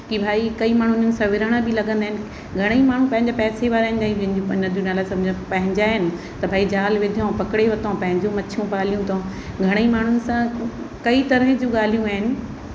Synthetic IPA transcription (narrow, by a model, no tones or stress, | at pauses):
kibʱaːikɐimaːɳ̤ʊnʊnɪ̆sãʋɪɾəɽ̃əbɪlɐɠə̃nd̪aːɪnɪ̆ | ɡʱɐɽ̃eimaːɳ̤ũpɐ̃ɦɪ̃ɲd͡ʑapɛːseʋaːɾaːɦɪnd͡ʑaːij̃d͡ʑɐ̃ɦɪ̃ɲd͡ʑũpɐ̃nɐd̪junaːlaːsɐbʱd͡ʑãpɐ̃ɦɪ̃ɲd͡ʑaːɦɪnɪ̆ | t̪ɐbʱaːid͡ʑaːlʋɪd̪ʱijõpɐkɪɽeʋɐt̪õpɐ̃ɦɪ̃ɲd͡ʑomɐtʰijũpaːl̤ijũt̪ʰõ | ɡʱɐɽ̃eimaːɳ̤ʊnɪ̆sã | kɐit̪ɐɾəɦd͡ʑũːɠaːl̤ijũaːɦɪnɪ̆